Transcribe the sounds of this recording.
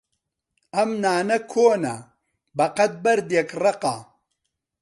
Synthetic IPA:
ɐmnaːnɐkʰoːnɐ̰ | bɐqɐt̪̚bɐɾd̪jekrɐqa̰

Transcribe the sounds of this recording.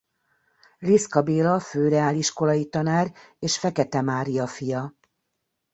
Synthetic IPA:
riskɒbeːlɒføːɾɛaːliʃko̞lɒjit̪ɒnaːr | eːʃfɛkɛt̪ɛmaːɾijɒfijɒ

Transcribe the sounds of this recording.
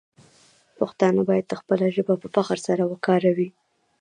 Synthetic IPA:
pəxt̪ɑnabɑjad̪̚d̪əxpəlaʒəbapəfaqəɾsaɾawəkɑɾawi

